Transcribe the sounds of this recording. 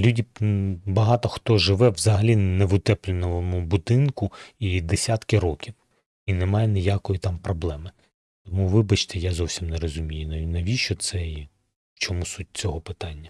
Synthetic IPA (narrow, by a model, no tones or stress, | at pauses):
lʲudʲibɐɦɑt̪ɔxt̪ɔʒɪʋɛʋzɐɦɐlʲinɛʋʊt̪ɛplʲɪnɔʋmʊbʊd̪ɪnkʊid̪esʲat̪kɪɾɔkʲiw | inɛmɑjɛnɪjakɔjit̪ɑmpɾɔblˠɛmɪ | t̪ɔmuʋɪbɐt͡ʃt̪ɛjazɔwsʲimnɛrɔzʊmʲijʊinɐnɐʋʲiʃɔt̪sɛi | wt͡ʃɔmusut̚ʲt͡sʲɔɦɔpɪt̪ɑnʲːɐ